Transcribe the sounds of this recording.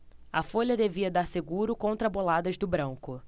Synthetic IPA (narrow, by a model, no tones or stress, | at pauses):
ɐfoʎɐd̪eviɐd̪aɾseɡuɾʊkõnt̪ɾɐbolad̪ɐʒd̪ʊbɾɐ̃ŋkʊ